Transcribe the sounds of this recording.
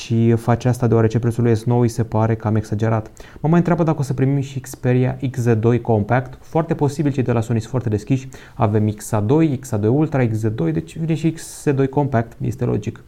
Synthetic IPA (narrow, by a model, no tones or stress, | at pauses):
ʃifat͡ʃast̪ad̪eoaɾet͡ʃe̞pɾet̪sulujest̪no̞wise̞paɾe̞kəame̞ksad͡ʒe̞ɾat̪məmajɨnt̪ɾʲeabəd̪akəo̞səpɾimimʃikspeɾia̰ʔiksed̪o̞jko̞mpakt̪foart̪e̞po̞sibilt͡ʃejd̪e̞lasonisfart̪e̞d̪e̞skʲiʃʲ | ave̞miksad̪o̞jiksad̪o̞jult̪ɾaiks̬d̪ed̪o̞jd̪e̞t͡ʃʲvineʃiiksːed̪o̞jko̞mpak̚t̪jest̪e̞lʔo̰d͡ʒik